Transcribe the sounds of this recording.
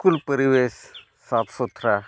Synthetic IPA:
kulpəɾiʋes | sat̪sut̪ʰɾa

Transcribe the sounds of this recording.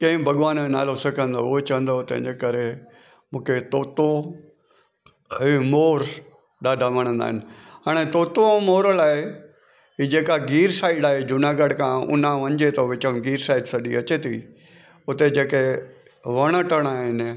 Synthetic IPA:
kɐ̃ɦɪ̃bʱɐɠʋaːnẽna̰ːlosɐkʰə̃nd̪o̰ʊɦet͡ɕɐə̃nd̪ot̪ɐ̰̃ɦɪ̃ɲd͡ʑekɐɾe | mũːkʰet̪oːt̪o | ɦimoːɾ | ɗaːɖʱamɐɽ̃ə̃nd̪a̰ːɦɪnɪ̆ɦaːɽ̃et̪oːt̪omoːɾəlaːɦe | ɦiːd͡ʑeːkaɡiːɾsaːɪɗaːɦed͡ʑʊnaːɡəɽkʰãʊ̰nãʋɐ̃ɲd͡ʑet̪oʋɪt͡ɕəmɡiːɾsaːɪɖsɐɗiɐt͡ɕet̪ʰḭ | ʊt̪ed͡ʑeːke | ʋɐɽ̃əʈəɽ̃aːɦɪn

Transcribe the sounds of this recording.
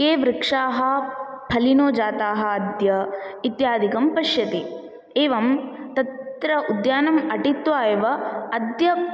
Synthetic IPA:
keːʋɾɪkʂaːɦɐ̆pʰɐlinoːd͡ʒaːt̪aːɦɐ̆ːd̪jɐit̪jaːd̪ʱikɐmpɐʃjɐt̪i | eːʋɐmt̪ɐt̪ɾɐʔud̪jaːnɐmɐʈit̪ʋaːjɐʋɐɐd̪jɐ

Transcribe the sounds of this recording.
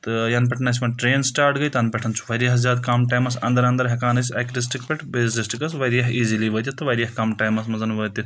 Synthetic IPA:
t̪ɨjɐnpɐʈʰnɐs̬ʲmɐʈɾeːnsʈaːɾʈɡɐjt̪ɐnpʲɐʈʰɐnt͡ʃʰu̥ʋɐɾijɐɦzʲaːd̪kamʈaːjmɐsɐ̰nd̪ɐɾɐnd̪ɐɾɦɐkaːnɐsʲɐkɾis̬ʈikpʲɐʈʰbesisʈikɐsʋɐɾjɐɦiːziliʋəːt̪ʲit̪ːɨʋɐɾʲjɐɦkɐmʈaːjmɐsmɐzɐnʋəːt̪ʲi

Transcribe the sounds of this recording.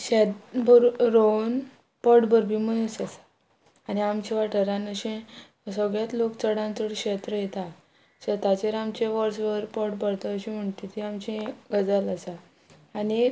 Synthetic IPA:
ɕet̪bəɾɾon | pəʈbəɾbʱimənusəsḁː | ñiamt͡ɕĩʋaʈʰəɾanəɕẽ | səɡɭjat̪lokt͡səɽãnt͡səɽkɕet̪ɾəjet̪a | ɕet̪at͡ɕeɾamt͡ɕẽʋəɾsʋəɾpəʈbəɽt̪əəɕĩm̤əɳt̪it̪iamt͡ɕẽɡəd͡zələsaː | ɽi

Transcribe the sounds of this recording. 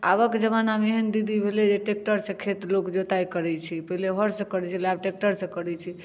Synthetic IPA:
abəked͡ʒəβanameɦənd̪id̪ʱibʱelɛd͡ʒeʈek̚ʈəɾsə̃kʰet̪lokd͡ʒot̪aikəɾɛt͡ʃʰipəɦileɦɔɾsə̃kəɾɛt͡ʃʰilabʈek̚ʈəɾsə̃kəɾɛt͡ʃʰi

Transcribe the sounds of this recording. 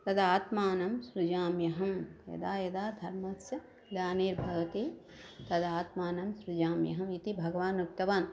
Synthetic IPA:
t̪ɐd̪aːt̪maːnɐmsɾud͡ʒaːmjɐɦɐmjɐ̰d̪aːjɐd̪aːd̪ʱɐɾmɐsɐ | d̪aːneːɾbʱɐɡɐt̪eː | t̪ɐd̪aːt̪maːnɐmsɾud͡ʒaːmjɐ̰ɦɐmit̪ibʱɐɡɐʋaːnuk̚t̪ɐʋaːn

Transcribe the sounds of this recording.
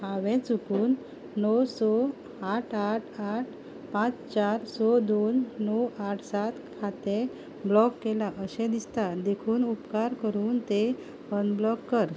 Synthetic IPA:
haʋẽt͡sukuːnː | ɔwsɔ | aʈʰaʈʰaʈ̚ʰ | pãt͡st͡ɕaɾsɔd̪onːɔwaʈʰsat̪kʰat̪e | blɔkːelaʔəɕẽd̪ist̪ad̪ekʰuːnupkaɾkəɾuːnt̪e | ənblɔkːəɾ

